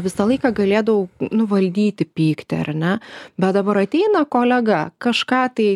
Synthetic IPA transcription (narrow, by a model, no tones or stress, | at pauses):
ʋʲɪsɐlˠɐɪkɑːɡɐlʲeːd̪ɐʋoʊnʊʋɐlʲd̪ʲiːt̪ʲɪpʲiːkt̪ʲɪɐ̰rnʲɛbʲɛt̪d̪ɐbɐɾɐt̪ʲɛɪnɐkoːlʲɛɡɐkɐʃkɑːt̪ɐɪ